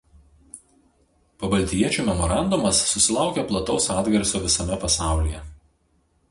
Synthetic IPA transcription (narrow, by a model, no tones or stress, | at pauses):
pɐbɐlʲt̪ʲiɛt͡ʃʲuːmʲɛmɔɾɑˑnd̪ʊmɐsːʊsʲɪlˠɑˑʊkʲɛplˠɐt̪ɒʊsɑːd̪ʲɡʲɐɾʲsʲoːʋʲɪsɐmʲɛpɐsɑˑʊlʲiːjɛ